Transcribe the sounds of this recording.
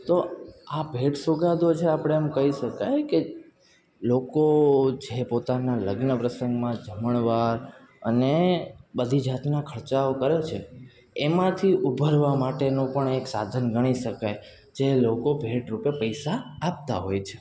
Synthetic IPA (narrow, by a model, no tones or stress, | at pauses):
t̪oabʱeʈsuɡad̪ot͡ʃʰeapɽ̃emkəɦiʃəkajke | lokod͡ʒepot̪analəɡnəpɾəsə̃ŋɡmãd͡ʒəməɭʋaɾ | ənebəd̪ʱid͡ʒat̪nakʰəɾt͡ʃaokəɾet͡ʃʰḛ | emãt̪ʰiʔubʱəɾʋamaʈenõpəɳeksa̰d̪ʱənɡəɽ̃iʃəkaj | d͡ʒelokobʱeʈɾupepəjsaːp̚t̪aɦojt͡ʃʰe̥